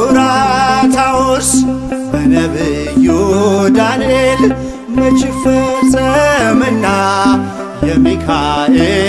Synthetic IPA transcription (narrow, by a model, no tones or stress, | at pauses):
ɾat̪ʰawos | bənəbɨ | jod̪aniel | mət͡ʃʼɪfəsʼəmɨnːa | ləmikʰae